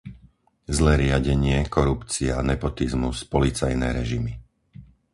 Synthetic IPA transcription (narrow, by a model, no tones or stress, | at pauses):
zlɛːɾɪaɟɛɲɪɛkɔɾupt͡sianɛpɔt̪izmuspɔlit͡sajnɛ̰ːɾɛʒimi